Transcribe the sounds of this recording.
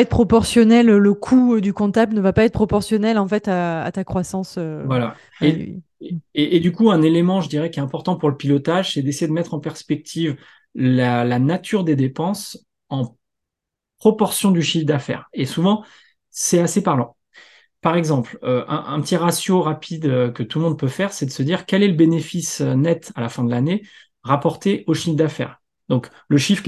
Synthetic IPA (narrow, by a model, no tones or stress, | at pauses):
ɛt̪pχɔpɔʁsjɔnɛlləkʰud̪ykɔ̃t̪ablnəvapaɛt̪̚pχɔpɔʁsjɔnɛlɑ̃fɛt̪a̰ːt̪akχwasɑ̃søvwala | e | eʔed̪ykuɛ̃nelemɑ̃ʒəd̪iʁɛkʲɛt̪ɛ̃pɔʁt̪ɑ̃puʁləpilɔt̪aʒsɛd̪esejed̪əmɛt̪χɑ̃pɛʁspɛk̚t̪ʰiv | lalanat̪ʰyʁd̪ed̪epɑ̃s | ɑ̃ | pχɔpɔʁsjɔ̃d̪yʃifd̪afɛ̰ːʁesuvɑ̃ | sɛasepaʁlɑ̃ | paʁɛɡzɑ̃pløʔɛ̰̃ʔɛ̃pət̪iʁasjoʁapʰid̪økət̪ulmɔ̃d̪̚pøfɛʁsɛd̪əsəd̪iʁkʲɛlɛləbenefisønɛt̪alafɛ̃d̪əlane | ʁapɔʁt̪eʔoʃifd̪afɛ̰ːʁ | d̪ɔ̃k | ləʃifχ